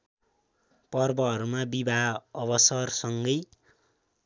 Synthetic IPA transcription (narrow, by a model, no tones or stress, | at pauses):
pʌrbʌɦʌɾumabibʱaʌβʌsʌrsʌŋɡʌj